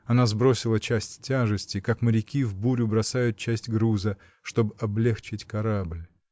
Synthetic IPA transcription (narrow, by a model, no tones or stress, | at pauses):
ɐnazbɾo̞sʲɪlˠət͡ɕæsʲtʲtʲːaʐɨsʲtʲɪkakməɾʲɪkʲivbuɾʲʊbɾɐsajʊt̪̚t͡ɕæsʲtʲɡɾuzə | ʂt̪o̞bɨɐblʲext͡ɕɪtʲkɐɾablʲ